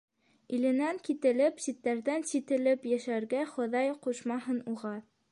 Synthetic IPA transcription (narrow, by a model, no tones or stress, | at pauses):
ilɘ̆næŋkit̪ɘ̆lɘpsit̪ːæɾðænsit̪ɘ̆lɘpjæʃæɾɡæχŏðɑjquʃmɑɦɤnuʁɑ